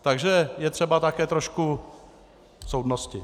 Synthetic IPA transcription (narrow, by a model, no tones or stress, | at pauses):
t̪aɡʒɛjɛt̪r̥ɛbat̪akɛːt̪ɾoʃku | sowdnoscɪ